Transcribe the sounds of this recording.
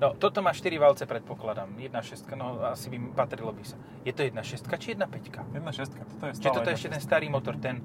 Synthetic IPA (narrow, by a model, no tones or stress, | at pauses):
nɔt̪ɔt̪ɔmaːʃt̪iɾiʋalt͡sɛpɾɛt̪̚pɔklad̪amjɛd̪naʃɛst̪̚kanɔasibipat̪ɾilɔbisa | jɛt̪ɔjɛd̪naʃɛst̪̚kat͡ʃijɛd̪napɛckajɛd̪naʃɛst̪kat̪ɔt̪ɔjɛst͡ʃiʒɛt̪ɔɔɛɛʃcɛt̪ɛnst̪aːɾiːmɔt̪ɔɾt̪ɛn